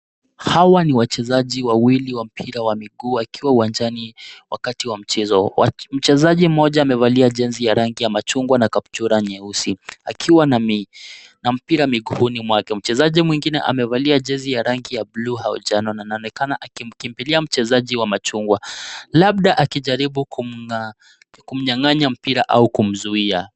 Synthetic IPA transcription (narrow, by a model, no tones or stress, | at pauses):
hawaniwat͡ʃɛzaʄiwawiliwam̩pʰiɾawamiɡuːakiwauwand͡ʒaniwa̰katiwam̩t͡ʃɛzɔa̰m̩t͡ʃɛzaʄim̩ɔʄaːmɛvaliaʄɛnzijaɾaŋɡijamat͡ʃuŋɡwanakaptuɾaɲɛusiakʰiwanami | nam̩piɾamiɡuhunimwakɛm̩t͡ʃɛzaʄimwiŋɡinɛ̰ʔa̰mɛvaliaʄɛnzijaɾaŋɡijabluɦaɔ̰d͡ʒanɔnanaɔnɛkanaʔakim̩kimpiliam̩t͡ʃɛzaʄiwamat͡ʃuŋɡwalaɓ̚ɗaʔakiʄaɾiɓukuma | kum̩ɲaŋaɲam̩piɾaʔa̰ukum̩zuia